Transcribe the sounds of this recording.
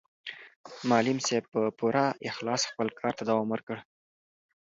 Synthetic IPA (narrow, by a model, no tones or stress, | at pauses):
mɑlɪmseb̚pəpuɾaɪxlɑsxpəlkʰɑɾt̪ad̪awɑmwəɾkəɽ